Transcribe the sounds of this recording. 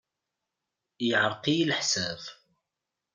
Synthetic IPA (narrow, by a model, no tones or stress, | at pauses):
jəʕəɾˤqijlħsæð